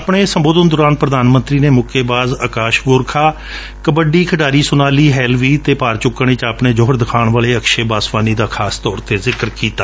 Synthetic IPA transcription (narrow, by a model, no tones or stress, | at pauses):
pɳeːsəmboːd̪ənd̪ɔːɾaːnpɾəd̪aːnmənt̪ɾiːneːmʊkʰeːbaːzəkaːʃɡʊɾkʰaː | kəbəɖiːkʰəɖaːɾiːsʊnaːliːɦɛːlʋiːt̪eːpaːɾt͡ʃʊkːəɳ̃et͡ʃaːpɳeːd͡ʒoːɦəɾd̪ɪkʰaːɳʋaːleːəkʃeːbaːsʋaːniːd̪aːkʰaːst̪ɔːɾt̪eːzɪkəɾkiːt̪aː